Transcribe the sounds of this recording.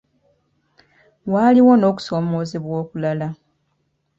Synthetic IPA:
waliwo̞no̞ːku̥so̞ːmo̞ːzeβwo̞ːkulala

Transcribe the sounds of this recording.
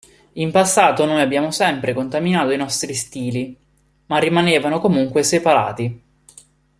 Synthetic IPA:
impasːaːt̪onoːjabːjaːmosɛmpɾekont̪aminaːt̪oinɔst̪ɾist̪iːli | marːimaneːvanokomuŋkwesepaɾa̰ːt̪i

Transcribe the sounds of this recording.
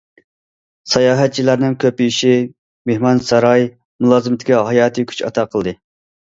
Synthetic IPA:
sɑjɑːɦɛt̪̚t͡ʃʰilæɾnɪŋkʲʰøpiiʃi | mehmɑnsɑɾɑj | mulˠɑːzɨmɪt̪ʰɪ̥kʲɛɦɑjɑːt̪ʰɨkʲʰy̥t͡ʃɑ̰t̪ʰɑqʰəlˠd̪ɨ

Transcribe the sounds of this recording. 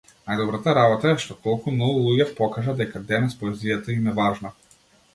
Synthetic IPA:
najd̪ɔbɾat̪aɾabɔt̪aɛʃt̪ɔt̪ɔlˠkumnɔɡulˠuɟɛfpɔkaʒad̪ɛkad̪ɛnɛspɔɛzijat̪əimɛvaʒna

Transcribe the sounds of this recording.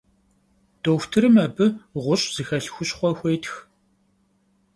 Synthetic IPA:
d̥oːxʷtʰɨɾɨmɐbɨʁʷʊɕʼz̥ɨxɐɬxʷʊɕχʷɔxʷeːtx

